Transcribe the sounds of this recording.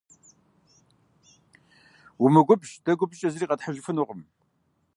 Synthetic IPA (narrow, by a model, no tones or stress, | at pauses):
wʊmɨɡʷʊbʒdɐɡʷʊbɕʼɐzɨriːqʼɐtħəʒɪfɨnʊʁəm